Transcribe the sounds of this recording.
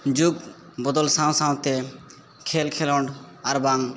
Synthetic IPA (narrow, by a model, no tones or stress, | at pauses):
d͡ʒuɡ̚ | bɔd̪ɔlsãw̃sãw̃t̪e | kʰelkʰelɔɳɖaɾbaŋ